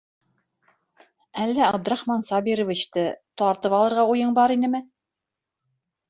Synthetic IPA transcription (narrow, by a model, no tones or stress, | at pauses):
ælːæɑb̚d̪ɘ̆ɾɑχmɑnsɑbiɾɤ̆vɘ̆ɕt̪ɘt̪ɑɾt̪ɤpɑlˠɤ̆ɾʁɑujɤɴbɑɾinɘmɘ